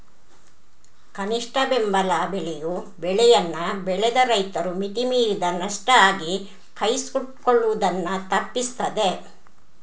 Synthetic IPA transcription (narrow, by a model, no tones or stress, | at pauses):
kɐniʂʈɐbembɐlaːbɛɭɛju | bɛɭɛjɐnːɐbɛɭɛd̪ɐɾɐjt̪ɐɾumit̪imiːɾid̪ɐnɐʂʈɐaːɡi | kʰɐjsuʈkoɭːuʋud̪ɐnːɐt̪ɐpːist̪ɐd̪e